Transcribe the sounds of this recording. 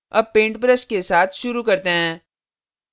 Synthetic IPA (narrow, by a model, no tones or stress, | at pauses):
ɐb̚pẽːɳʈbɾəʃkesaːt̪ʰʃʊɾukɐɾt̪eɦɛ̃ː